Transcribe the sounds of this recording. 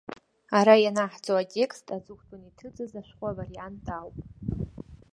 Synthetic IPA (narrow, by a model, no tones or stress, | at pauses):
aɾajanaħd͡zʼoatʲʼe̞kstʰʼad͡zɨkʷʰʼtʰunitʰɨd͡zɨzaʃʷᶣχʷʼavarijantʰʼawpʼ